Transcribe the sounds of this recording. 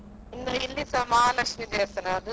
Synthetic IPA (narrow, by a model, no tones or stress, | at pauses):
inːoilːisɐmaːlɐkʂmid̪eːsɐnaːd̪ɯ